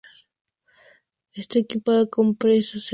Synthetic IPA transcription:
est̪ekipaðakompɾesas

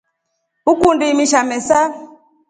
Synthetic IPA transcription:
ukundimiʃamɛsa

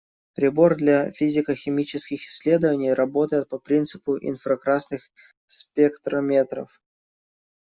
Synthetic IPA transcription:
pɾʲɪbo̞rd̪lʲafʲizʲɪkəxʲɪmʲit͡ɕɪskʲɪxɪ̥sʲːlʲe̞d̪əvənʲɪjrʔɐbot̪əjɪt̪̚pɐpɾʲint̪sɨpʊʔɪ̰nfɾəkɾasnɨx | spʲekt̪ɾəmʲet̪ɾə̰f

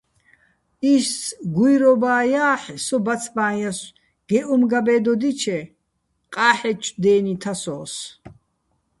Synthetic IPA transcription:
iʃsɡujɾɔbaːjaːħsɔbat͡sʰbaːnjas | ɡ̥ɛʔumɡabɛːd̪ɔd̪it͡ʃʰɛ | qʼaːħɛt͡ʃʼd̪ɛːnit̪ʰasɔːs

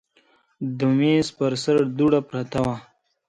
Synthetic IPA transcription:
d̪umeːspəɾsəɾd̪uɽapɾat̪awa

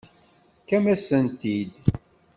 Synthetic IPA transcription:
kːæmæsənt̪id̪

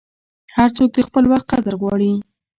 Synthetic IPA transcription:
haɾt͡sok̚d̪əxpəlwaxt̪̚qad̪əɾɣwɑɽi

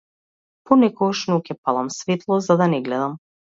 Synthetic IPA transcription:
pɔnɛkɔɡaʃnɔkɛpalˠamsvet̪lˠɔzad̪anɛɡlɛd̪am

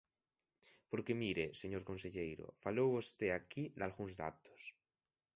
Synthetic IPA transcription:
poɾkemiɾeseɲoɾkonseʎejɾo̰falowβost̪eakid̪alɣuŋzða̰t̪o̥s

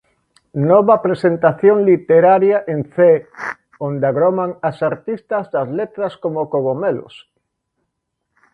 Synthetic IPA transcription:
nɔβɐpɾesent̪aθjoŋlit̪eɾaɾjaʔenθe | õnd̪aɣɾomaŋasaɾt̪ist̪ɐzðɐzlet̪ɾɐskomokoɣomelʊ̰s

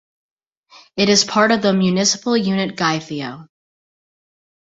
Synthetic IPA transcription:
ɨɾɨz̥pʰɑɹɾʌvðəmjʉnɪsə̥pl̩ˠjʉnɨt̚ɡ̥aɪθioʊ

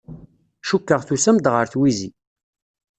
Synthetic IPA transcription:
ʃukːəʁθusæmd̪ʁəɾθwizḭ

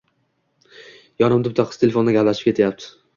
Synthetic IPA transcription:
jɒnɪmd̪ɪp̚t̪ʰaqʰɨ̥st̪ʰelefond̪aɡʲaplaʃɪp̚kʲet̪ʰajap̚t̪ʰɪ̥

